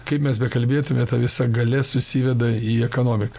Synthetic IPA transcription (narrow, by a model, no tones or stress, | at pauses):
kɐɪpmʲɛsbʲɛkɐlʲbʲeːt̪ʊmʲɛt̪ɐʋʲɪsɐɡɐlʲɛsʊsʲiʋʲɛd̪ɐiːɛkoːnoːmʲɪkɐ̥